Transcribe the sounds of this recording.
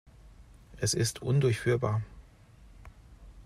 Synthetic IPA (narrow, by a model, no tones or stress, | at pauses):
ʔɛsɪstʰʔʊndʊɐçfyːɐba̰ːɐ